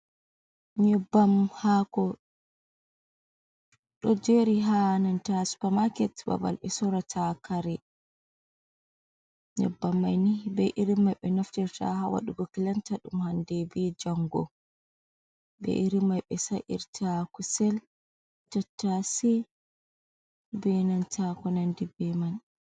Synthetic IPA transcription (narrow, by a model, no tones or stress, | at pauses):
ɲɛbːamhakɔ | ɗɔd͡ʒeɾiɦanantasu̥pamakɛtba̰ba̰lɓɛsɔɾatʰakaɾɛ | nɛ̰bːamajnibɛʔiɾimajɓɛnɔftɛɾta̰ɦawa̰ɗuɡɔkilantaɗumhandɛbɛd͡ʒaŋɡɔ̰ | bɛ̰ʔiɾimajɓɛsaʔḭɾtʰakusɛl | d͡ʒɔtːasi | bɛnantʰakɔnandibɛman